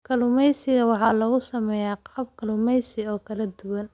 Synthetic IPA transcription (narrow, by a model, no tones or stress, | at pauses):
kʰɐlʊmɛjsɪɣɐwɑħɑːlɐɣʊsɐmɛːjaːqɑːb̚kʰɐlʊmɛjsɪɔːkʰɐlɐd̪ʊwɐn